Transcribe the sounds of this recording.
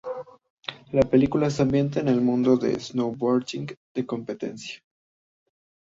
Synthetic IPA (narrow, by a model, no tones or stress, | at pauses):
lape̞likulaseambje̞nt̪aene̞lmũnd̪o̞ðḛznowwoɾkiŋɡd̪̥eko̞mpe̞t̪e̞̰nsjḁ